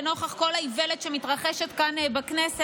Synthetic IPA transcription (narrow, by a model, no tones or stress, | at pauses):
no̞χaχko̞laiveletʃemitʁaχeʃet̪kanbaknese